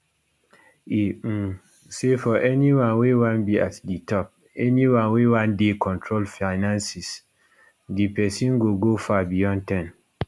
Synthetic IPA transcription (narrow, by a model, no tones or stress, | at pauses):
i | sefɔʔɛniwãnwewãnbia̰tditʰɔp̚ | ɛnĩwãnwewãndekʰɔ̃ntʰɹolfaɪnãnsis | dipɛsĩnɡoɡofabijɔ̃ntɛ̃n